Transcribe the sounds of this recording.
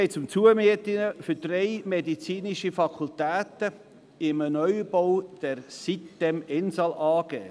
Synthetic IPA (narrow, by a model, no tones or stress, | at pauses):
eɪt͡sʊmt͡suəmiətɪnəfʏd̥reɪmedit͡siːniʃifɑkʰult̪æːt̪ə | ɪmənœʏb̥owd̥ɛɾsitːɛmɛnsɑlʔɑːɡ̥ɛ̰ː